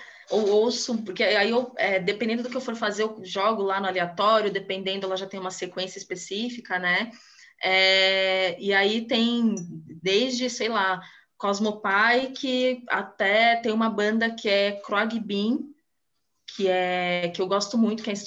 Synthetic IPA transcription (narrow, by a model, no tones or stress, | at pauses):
owowsʊpoɾkeaiewɛd̪epẽd̪ẽnd̪ʊd̪ʊkɪewfoɾfazeʊʒɔɡʊlanʊaliat̪ɔɾjʊd̪epẽnd̪ẽnd̪ʊɛlɐʒat̪ẽj̃umɐsekwẽsjɐispesifikɐnɛ | ɛ | ɪait̪ẽj̃d̪ejzd͡ʒɪsejla | kɔzmopajkɪa̰t̪ɛt̪ẽj̃ũmɐbɐ̃nd̪ɐkʰɪɛkɾoaɡibĩ | kʰɪɛkɪewɡɔst̪ʊmũj̃t̪ʊ̥kɪɛĩs